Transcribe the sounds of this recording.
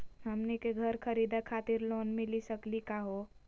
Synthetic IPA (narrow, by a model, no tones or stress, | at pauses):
ɦəmnekeɡʱəɾkʰəɾid̪akʰaːt̪iɾloːnmɪlisəklikaɦo